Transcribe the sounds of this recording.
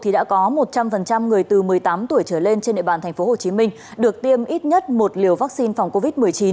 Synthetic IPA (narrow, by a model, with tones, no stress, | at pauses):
t̪ʰi˨˩ɗa̰ː˧˥kɔ˨˦mo˨˩t̚t͡ɕa˧mfə˨˩nt͡ɕa˧mŋɨ˨˩əjt̪ɨ˨˩mɨ˨˩əjt̪aː˨˦mt̪u˧˩əjt͡ɕəː˧˩le˧nt͡ɕe˧nɗḭ˧˨ɓaː˨˩nt̪ʰɛ˨˩ŋ̟fo˨˦ho˨˩t͡ɕi˨˦mï˧ŋ̟ | ɗɨ˨˩ək̚t̪i˧əmʔi˦˥t̚ɲə˦˥t̚mo˨˩t̚li˨˩əwvaː˦˥k̚si˧nfa˨˩wŋ͡mko˧vi˦˥t̚mɨ˨˩əjt͡ɕi˨˦n